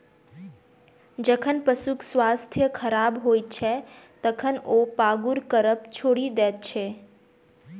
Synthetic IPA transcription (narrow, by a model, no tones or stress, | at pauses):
d͡ʒəkʰənpəsuksʋast̪ʰjəkʰəɾabɦoit͡ʃʰɛt̪əkʰənopaɡuɾkəɾəpt͡ʃʰoːɽid̪ɛːt̪̚t͡ʃʰe